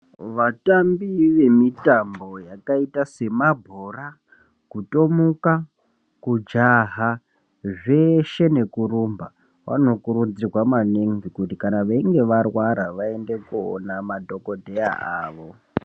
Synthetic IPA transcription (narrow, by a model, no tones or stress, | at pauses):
ʋatambiʋe̞mitambo̞jakaitase̞mabʱora | kuto̞muka | kud͡ʒaɦa | ʐe̞ʃe̞ne̞kuɾumba | wa̰no̞kuɾud͡zirwamaniŋvikutikanaʋaiŋɡe̞ʋarwaɾaʋae̞nde̞kuo̰namadʱo̞ko̞dʱeja̰ʔaːʋo̞